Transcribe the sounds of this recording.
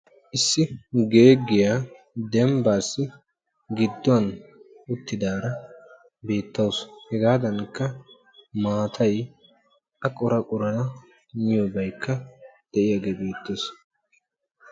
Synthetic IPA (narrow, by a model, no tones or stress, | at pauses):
ʔɪsːɪɡe̞ːɡːɪjaː | d̪ɛmbaːsːɪ | ɡɪd̪ːɔwɐn | ʊt̪ːɪd̪aːɾɐ | be̞ːt̪ːɐwshɛɡaːd̪ɐnkːɐ | maːt̪ʰɐj | ʔɐkʼʊɾɐkʼʊɾɐnɐ | ɲɪjɔbɐjkʰːɐd̪̥ɛʔɪjaɡeːbe̞ːt̪ːes